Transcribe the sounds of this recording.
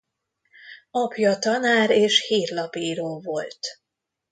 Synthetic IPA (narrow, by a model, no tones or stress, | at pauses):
ɒpjɒt̪ɒnaːɾeːʃhiːrlɒpiːɾoːlvo̞lt̪